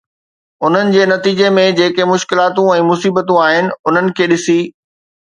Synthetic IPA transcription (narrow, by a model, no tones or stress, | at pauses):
ʊn̤ənɪ̆d͡ʑeːnɐt̪iːd͡ʑemẽd͡ʑeːkemʊʃkɪlaːt̪ũɛ̃ːmʊsiːbət̪ũaːɦɪnɪ̆ʊn̤ənɪ̆kʰeːɗɪsiː